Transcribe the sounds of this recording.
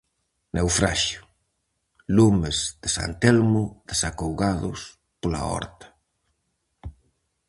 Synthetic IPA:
newfɾaʃʊ | lumezðɪsa̰nt̪ɛlmʊðesakowɣaðʊs | pola̰ɔ̰ɾt̪ɐ̥

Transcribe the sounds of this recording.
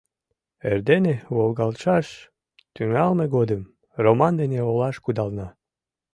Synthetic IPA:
ḛrd̪eneβolɣɑlʃɑʃ | t̪yŋɑlmeɣod̪əm | romɑnd̪eneolɑʃkud̪ɑlnɑ

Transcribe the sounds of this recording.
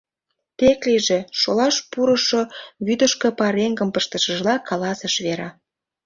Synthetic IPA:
t̪ekliʒĕʃolɑʃpuɾəʃoβyd̪əʃkĕpɑɾeŋɡəmpəʃt̪əʃəʒlɑkɑlɑsəʃβeɾɑ

